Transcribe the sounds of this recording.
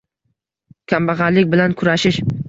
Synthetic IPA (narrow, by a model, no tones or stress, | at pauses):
kʲʰambaʁɑɾlɪkʲbɪlankʰʊɾaʃɪʃ